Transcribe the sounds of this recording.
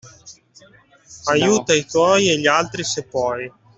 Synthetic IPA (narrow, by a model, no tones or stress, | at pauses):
ajuːt̪ait̪wɔːieʎalt̪ɾisepɔːj